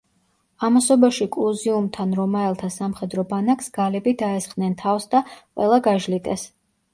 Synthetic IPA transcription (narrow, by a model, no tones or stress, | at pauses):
amasɔbaʃikʼlˠuziumt̪ʰanɾɔmaɛlˠt̪ʰasamχɛd̪ɾɔbanaksɡ̥alɛbid̪aɛsχʼnɛnt̪ʰafsd̪aqʼwɛ̰lˠaɡaʒlit̪ʼɛs